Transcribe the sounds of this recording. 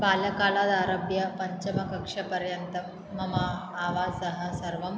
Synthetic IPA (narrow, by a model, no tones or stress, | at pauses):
bʱaljɐkalad̪aɾɐbjɐpɐɲt͡ɕɐmɐkɐkʂɐpɐɾjɐnt̪ɐ | mɐmaː | ʋaːd͡zsɐɦɐ̆sɐɾʋɐm